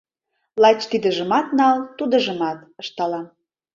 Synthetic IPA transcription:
lɑt͡ɕt̪id̪ə̆ʒə̆mɑt̪nɑlt̪ud̪ɤ̆ʒə̆mɑt̪ɤʃt̪ɑlɑm

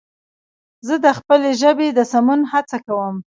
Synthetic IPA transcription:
zəd̪əxpəleʒəbed̪əsamunhat͡sakawəm

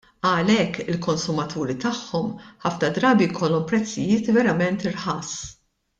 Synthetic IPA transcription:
ɐlɛkːɪlkɔnsʊmɐt̪uːɾit̪ɐħːɔmħɐfnɐd̪ɾɐːbijkʰɔlːɔmpɾɛt͡sːɪjɪːt̪vɛɾɐmɛnt̪ɪɾħɐs

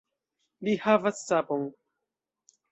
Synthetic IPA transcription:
lihavasːaboŋ

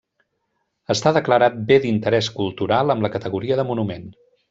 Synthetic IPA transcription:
əst̪aðəkləɾat̪̚bed̪int̪əɾɛskulˠt̪uɾalˠəmləkət̪əɣuɾiəðəmunumen

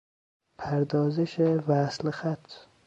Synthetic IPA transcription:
pʰaɾd̪ɒːzɪʃɪvaːslɪhat̪

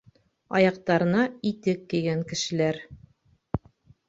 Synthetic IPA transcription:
ɒ̰jɑq̚t̪ɑɾɤ̆nɑit̪ɘkːĭɡæŋkɘ̆ʃɘ̆læɾ

